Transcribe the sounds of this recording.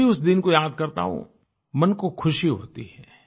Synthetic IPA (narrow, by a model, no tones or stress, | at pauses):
iʊsd̪ɪnkojaːd̪̚kɐɾt̪a̰ɦõ̰ | mɐnkokʰʊʃiɦo̰ːt̪iɦɛː